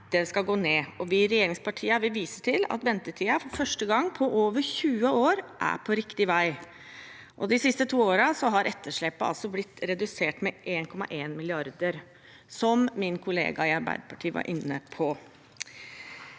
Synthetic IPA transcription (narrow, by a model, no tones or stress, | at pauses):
d̪̥ɛskɑɡoːneːɔʋɪɾɛjeːɾɪŋspɑʈʰiːɑʋɪʋiːsəʈʰɪlɑ̰t̪ʋɛnt̪əʈʰiːɑfɔɾfœʂʈəɡɑŋːpʰɔʔoːʋəɾçʉːəoːɾʔæ̰pʰɔɾɪkt̪ɪʋæɪ | ʔɔd̪ɪsɪst̪ət̪ʰuːoːɾɑsɔɦɑɾʔɛt̪ʰːəʂɭɛpːəɑ̰lsɔblɪt̪ːɾɛd̪ʉseːʈmɛʔeːnkʰɔmɑ̰ʔeːnmɪlɪɑɾd̪əɾ | sɔmmɪnkʰʊlḛːɡɑɪɑɾbæ̰ɪd̪əpʰɑʈʰiːəʋɑ̰ɾʔɪnːəpʰɔ